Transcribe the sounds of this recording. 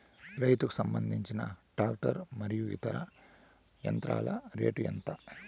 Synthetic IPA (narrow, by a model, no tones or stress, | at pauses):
ɾɐjt̪uku̥sɐmbɐnd̪ʱiɲt͡ʃinɐɖaːk̚ʈɐɾmɐɾijuḭt̪ɐɾɐ | jɐnt̪ɾa̰ːlɐɾe̞̰ːʈujɐnt̪ɐ